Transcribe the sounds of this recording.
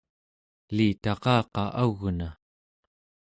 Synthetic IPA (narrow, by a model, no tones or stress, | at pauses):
liːt̪ɑqɑːqɑ̰ʔaɣna